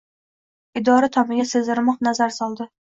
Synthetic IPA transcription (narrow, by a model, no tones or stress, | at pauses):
ɪd̪ɒɾat̪ʰɒmɪɡʲasɪzɪɾmɒqnazaɾsɒlˠd̪ɪ